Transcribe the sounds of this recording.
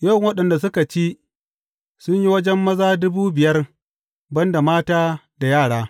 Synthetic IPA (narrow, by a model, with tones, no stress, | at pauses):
jɐ˦˨ŋwɐ˦ɗɐ˨nda˨sʊ˦ka˨t͡ʃiː˦ | sʊ˦ɲji˦wɐ˦d͡ʒɛ˦mːɐ˦zaː˦dʊ˦buː˦bɪ˨jɐ˦r | bɐ˦nda˨maː˦taː˦da˨jaː˦˨ɽaː˦